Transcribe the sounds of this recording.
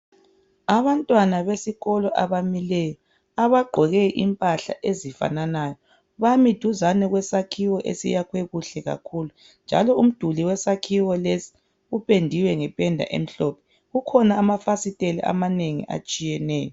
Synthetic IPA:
aβantʼwanaβesiɣɔlɔʔaβamilɛjɔ | aβaɡ͡ǃʱɔɣɛʔimpʼaɬa̰ʔezifa̰nanaːjɔ | βamid̥ʱuzanɛɣwɛsakʰiwɔʔḛsḭjakʰwɛɣuɬɛɣa̰kʰuːlu | nd͡ʒʱa̰lɔum̩d̥ʱuliwɛsakʰiwɔlesi̥ | upʰʼendʱiwɛŋɛpʼɛndʱa̰ʔḛm̩ɬɔpʰɛ̥ | ɣukʰɔnaːmafasitʼelḭʔa̰maneŋḭʔa̰t͡ʃʼijɛnɛːjɔ

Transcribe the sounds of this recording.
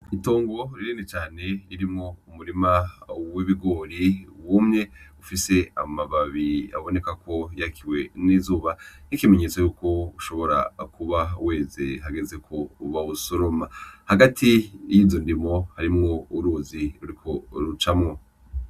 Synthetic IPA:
ito̞ːŋɡo̞ɾiɾiːnet͡ʃaːne̞iɾimŋo̞umuɾimawiβiɡo̞ːɾiwumɲe̞ufise̞a̰maβaβia̰βo̞nekakʰo̞jakʰiwe̞nizuːβanikime̞ɲe̞ːt͡sojuːko̞uʃo̞βo̞ɾa̰kuβawe̞ːzeɦaɡe̞ze̞kʰouβaβusoɾomahaɡatʰijiːzondimo̞haɾimŋo̞uɾuːziɾuɾikʰo̞ɾut͡ʃamŋo

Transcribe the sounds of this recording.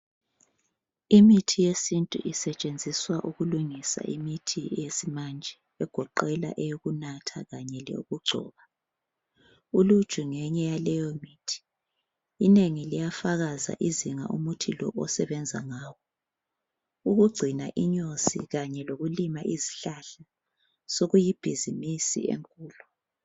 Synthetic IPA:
imitʰijesintʼṵʔisɛt͡ʃʼend͡zʱiswaʔuɣuluŋisa̰ʔimitʰiɛjesimand͡ʒʱɛ | ɛɡ̥ʱɔǃɛla̰ʔɛjoɣunatʰa̰ɣaɲɛlɛ̰uɣuɡ͡ǀʱɔ̰ːβa | ulud̥ʒ̥ʱuŋɛɲɛjalɛjɔmiːtʰi̥ | ineŋilijafaɣaza̰ʔiziŋa̰ʔumutʰilɔʔɔsɛβɛnd͡zʱaŋaːwɔ | uɣuɡ͡ǀʱina̰ʔiɲosḭɣaɲɛloɣulimaʔiziɬaɬa | soɣujib̥ʱizimisḭḛŋkʼuːlɔ

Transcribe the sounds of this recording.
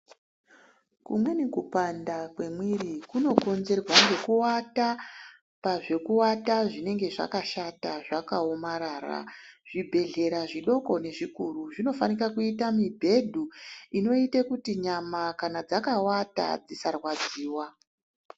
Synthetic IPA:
kumwe̞nikupandakwe̞mwirikuno̞ko̞nze̞rwaŋɡe̞kuwata | paʐe̞kuwataʐine̞ŋɡe̞ʐa̰kaʃataʐakaomaɾaːra̰ʐ̥ibʱe̞ɮe̞ɾaʐiɗo̞ko̞ne̞ʐikuruʐino̞fanirakuitamibʱe̞dʱuino̞itekutiɲamakanad͡zakawata̰d͡zisarwad͡ziːwa

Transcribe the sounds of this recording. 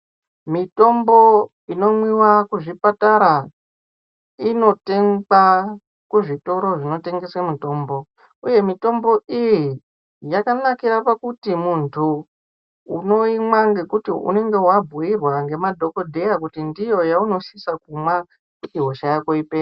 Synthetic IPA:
mito̞mbo̞ | ino̞mwiwakuʐipataɾa | ino̞te̞ŋa | kuʐito̞ɾo̞ʐino̞te̞ŋɡe̞swamuto̞ːmbo̞ | uje̞mito̞mbo̞iji | jakanakiɾapakutimuntʰuː | no̞imwaŋɡe̞kutiṵne̞ŋɡe̞wabʱuirwaŋɡe̞madʱo̞ko̞dʱe̞jakutindijo̞jauno̞sisakumwa | kutiɦoʃajakoipeːa

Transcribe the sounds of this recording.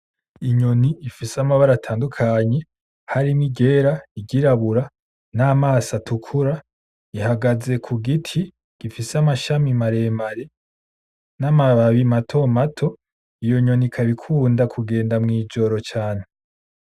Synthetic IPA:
iɲo̞niːfisamaβaɾatʰaːndukʰaɲe̞ | haɾimiɟe̞ːɾaiɟiɾaβuɾa | naːmaːsatʰukʰuɾa | ihaɡaze̞kʰuɡitʰi | ɡ̥ifisamaʃamimaɾe̞ːmaɾe | namaβaβimatʰo̞matʰo̞ | ijo̞ɲo̞nikʰaβikʰuːndakʰuɡe̞ːndamŋiːd͡ʒo̞ɾo̞t͡ʃaːn̥e

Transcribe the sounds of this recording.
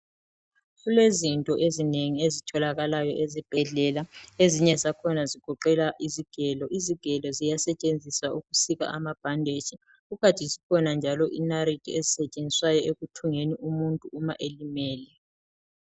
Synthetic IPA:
ɣulezintʼɔʔezineŋiezitʰɔlaɣalajɔʔezib̥ʱɛɮɛlaeziɲɛzakʰɔnaziɡ̥ʱɔǃɛlaʔiziɡ̥ʱɛlɔʔiziɡ̥ʱɛlɔzijasɛt͡ʃʼend͡zʱiswauɣusiɣa̰ʔamab̥ʱandʱe̥t͡ʃi | ɣuɣatʼizikʰɔnand͡ʒʱalɔʔinaɾidʰʱʼiezisɛt͡ʃʼend͡zʱiswajɔʔeɣutʰuŋeniʔumuntʼuːmaʔelimɛːlɛ

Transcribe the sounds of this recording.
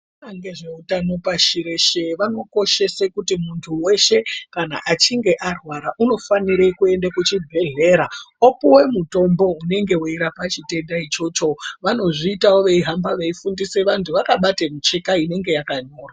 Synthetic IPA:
aŋɡeʐeutano̞paʃiɾeʃeʋano̞ko̞ʃe̞sekutimuntʰuwe̞ʃe̞kana̰ʔat͡ʃiŋɡe̞ʔarwaɾaʔuno̞faniɾekue̞ndakut͡ʃibʱe̞ɮe̞ːɾaopuwe̞muto̞mbo̞une̞ŋɡe̞wuiɾapat͡ʃite̞ndait͡ʃo̞t͡ʃo̞ʋano̞ʐiːtawoʋeiɦambaʋe̞ifundise̞ʋantʰuʋakaɓatemut͡ʃekaine̞ŋɡe̞jakaɲo̞ːra

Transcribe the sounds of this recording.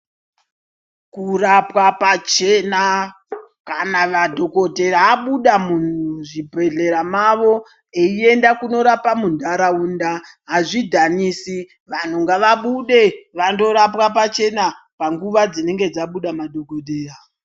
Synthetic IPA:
kurapwapat͡ʃe̞na | kanaʋadʱo̞ko̞te̞ɾaːɓuɗamun̤uʐibʱe̞ɮe̞ɾamaʋo̞ | eie̞ndakuno̞ɾapamundaɾauːnda | ɦaʐidʱaniːsi | ʋan̤uŋɡaʋaɓuɗe̞ʋando̞ɾapwapat͡ʃe̞na | paŋɡuʋad͡zine̞ŋɡe̞d͡zaɓuɗamadʱo̞ko̞teːra

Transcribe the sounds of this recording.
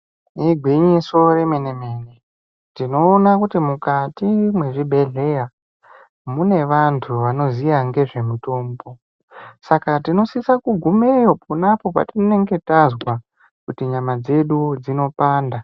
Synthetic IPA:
iɡʱwiɲiso̞re̞me̞neme̞ːne | tino̞ːnakutimukatimwe̞ʐibʱe̞ɮe̞ja | mune̞ʋantʰuʋano̞zijaŋɡe̞ʐe̞mito̞ːmbo̞ | sakatino̞sisakuɡʱumejopunapo̞pa̰tinone̞ŋɡe̞tazwa | kutiɲamad͡ze̞ɗud͡zino̞paːnda

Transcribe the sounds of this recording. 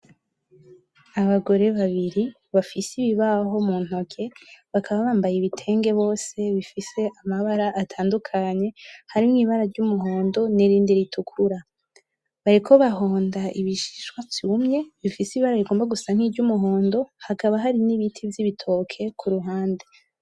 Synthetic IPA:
aβaɡo̞ɾe̞βaβiɾi | βafisiβiβaɦo̞muːn̥ho̞kʰe̞βakʰaβaβaːmbajiβitʰe̞ːŋɡe̞βo̞ːse̞βifise̞ʔamaβaɾaʔːtʰaːndukʰaɲe̞haɾimŋiːβaɾaɾɟumuɦo̞ːndo̞niɾiːndiɾitʰukʰuɾa | βaɾikʰo̞βaɦo̞ːndaiβiʃi̥ʃwavjumɲe̞βifisiiβaɾaβiɡoːmbaɡusaŋ̥hivɟumuɦo̞ːndo̞hakaβaɦaɾiniβitʰivjiβitʰo̞kʰe̞kʰuɾuɦaːnde

